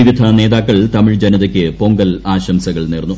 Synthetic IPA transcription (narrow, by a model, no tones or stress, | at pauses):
iʋid̪ʱɐne̞ːðaːkːɐɭt̪ɐmiɭd͡ʑɐnɐðɐkʲːɨpo̞ŋɡɐlaːɕɐmsɐɣɐɭniːrnːu